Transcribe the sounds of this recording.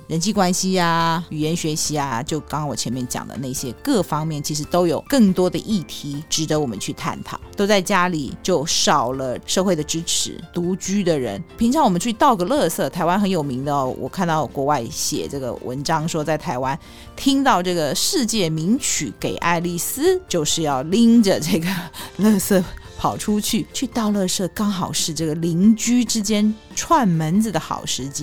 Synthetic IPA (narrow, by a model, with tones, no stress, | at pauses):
ɻə˧˥nt͡ɕʰi˥˩kwa˥nɕi˧˥a˨y˨˩jɛ˧˥nɕɥɛ˧˥ɕi˧˥a˨t͡ɕjo˥˩ʊkɑ˥wɔ˨˩t͡ɕʰjɛ˧˥nmjɛ˥˩nt͡ɕjɑ̰˨˩ŋd̪ə̰˦na˥˩ɕjɛ˥kɤ˥˩fɑ˥ŋmjɛ˥˩nt͡ɕʰi˧˥ʂ̬ɻ̩˧˥t̪o˥ʊjo˨˩ʊkɤ˥˩ŋt̪wɔ˥d̪ə˧ʔi˥˩t̪ʰi˧˥ʈ͡ʂɻ̩˧˥d̪ə˧˥wɔ˨˩mə̰˦nt͡ɕʰy˥˧t̪ʰa̰˥˩nt̪ʰɑ̰˨˩˦ʊt̪o˥ʊt͡sa˥˩ɪt͡ɕja˥li˨˩t͡ɕjo˥˩ʊʂɑ˨˩ʊlə˦ʂɤ˥˧xwe˥˩ɪd̪ə˩ʈ͡ʂɻ̩˥ʈ͡ʂʰɻ̩̰˧˥t̪u˧˥t͡ɕy˥d̪ə˨ɻə̰˧˥npʰi˧˥ŋʈ͡ʂʰɑ˧˥wɔ˨˩mə˦nt͡ɕʰy˥˧t̪ɑ˥˩ʊɡə˨˩lɤ˥˧sɤ˥˩t̪ʰa˧˥ɪwa˥nxə˧˥njo˨˩ʊmi˧˥ŋd̪ə˧wʔɔ̰˨˩kʰa˥˧nt̪ɑ˥˩ʊkwɔ˧˥wa˥˩ɪɕjɛ̰˨˩ʈ͡ʂɤ˥˩ɡə̰˩wʔə̰˧˥nʈ͡ʂɑ˥ŋʂwɔ˥t͡sa˥˩ɪt̪ʰa˧˥ɪwa˥n | t̪ʰi˥ŋt̪ɑ˥˧ʊʈ͡ʂɤ˥˩ɡə˩ʂɻ̩˥˧t͡ɕjɛ˥˩mi˧˥ŋt͡ɕʰy˨˥ke˨˩ɪʔa̰˥˧ɪli˥˩sɹ̩˥t͡ɕjo˥˧ʊʂɻ̩˥˧jɑ˥˩ʊli˥ŋʈ͡ʂə˨ʈ͡ʂɤ˥˩ɡə˩lɤ˥˧sɤ˥˩pʰɑ˨˩ʊʈ͡ʂʰu˥t͡ɕʰy˥˩t͡ɕʰy˥˧t̪ɑ˥˧ʊlɤ˥˧sɤ˥˩kɑ˥ŋxɑ˨˩ʊʂɻ̩˥˧ʈ͡ʂɤ˥˩ɡə˩li˧˥ŋt͡ɕy˥ʈ͡ʂɻ̩˥t͡ɕjɛ˥n | ʈ͡ʂʰwa˥˩nmə˧˥nd͡z̩˨˩d̪ə˩xɑ̰˨˩ʊʂɻ̩˧˥t͡ɕi˥